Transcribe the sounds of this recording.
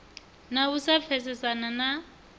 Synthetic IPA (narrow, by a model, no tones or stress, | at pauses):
nausafʰɛsɛsanana